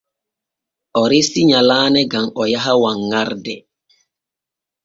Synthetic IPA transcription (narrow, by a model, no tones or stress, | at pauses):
ʔɔɾisiɲalaːnɛɡamɔjaɦawaŋːaɾdɛ